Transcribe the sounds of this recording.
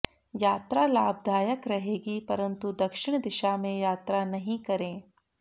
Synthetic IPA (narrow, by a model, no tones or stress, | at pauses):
jaːt̪ɾalaːb̚d̪ʱaːjəkɾɐɦeːɡipɐɾənt̪ud̪ɐkʃɪɳ̃d̪ɪʃamẽjaːt̪ɾanɐɦĩkɐɾẽː